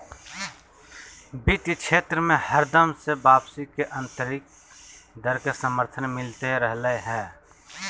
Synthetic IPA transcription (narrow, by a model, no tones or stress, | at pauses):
bit̪it͡ʃʰeːt̪ɾəmẽhəɾd̪əmsebaːpsikeʔə̃nt̪əɾik̚ | d̪əɾkesəməɾt̪ʰənmɪlt̪eɾəɦləɦɛː